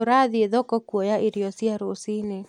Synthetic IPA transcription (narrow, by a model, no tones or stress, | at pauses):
oɾaðieðɔkɔkwɔjaiɾjɔsiaɾosine